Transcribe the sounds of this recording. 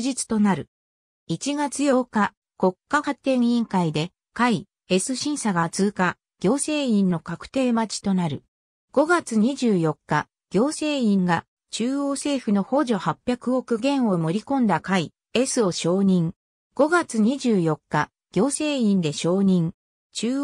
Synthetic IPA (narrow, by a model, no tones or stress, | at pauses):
ʑit͡sɨ̥t̪o̞naɾɯ̟ | it͡ɕiɡat͡sɨjo̞ːka | ko̞kːahat̪ːẽ̞ɰ̃ĩŋkaid̪e̞ | kai | e̞sɨɕĩɰ̃saɡat͡sɨːka | ɡ̥ʲo̞ːse̞ːĩnno̞kakɯ̟̥t̪e̞ːmat͡ɕi̥t̪o̞naɾɯ̟ | ɡ̥o̞ɡat͡sɨɲ̟iʑɨːjo̞kːa | ɡ̥ʲo̞ːse̞ːĩŋɡa | t͡ɕɨːo̞ːse̞ːɸɯ̟no̞ho̞ʑo̞hapʲːjakɯ̟o̞kɯ̟ɡẽ̞ɰ̃o̞mo̞ɾʲikõ̞nd̪akai | e̞sɨo̞ɕo̞ːɲ̟ĩŋ | ɡ̥o̞ɡat͡sɨɲ̟iʑɨːjo̞kːa | ɡ̥ʲo̞ːse̞ːĩnd̪e̞ɕo̞ːɲ̟ĩŋ | t͡ɕɨː